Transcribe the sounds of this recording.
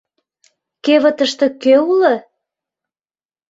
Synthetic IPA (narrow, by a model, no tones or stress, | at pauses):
keβə̆t̪ə̆ʃt̪ɤ̆køulə